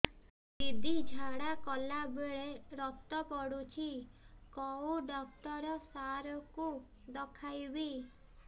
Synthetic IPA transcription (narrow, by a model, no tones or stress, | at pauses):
d̪id̪id͡ʒʱaɽakɔlabeɭeɾɔt̪ɔpɔɽut͡ʃʰikɔuɖɔk̚ʈɔɾɔsaɾɔku | d̪ɔkʰajbi